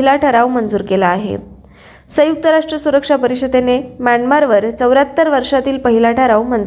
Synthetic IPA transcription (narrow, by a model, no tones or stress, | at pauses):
ilaʈʰəɾaʋmənd͡zuːɾkelaːɦḛ | səjuk̚t̪əɾaʂʈɾəsuɾəkʂapəɾiɕəd̪enemjaɳmaɾʋəɾt͡səwɾat̪ːəɾʋəɾʂat̪iːlpəɦilaʈʰəɾaʋmənd͡z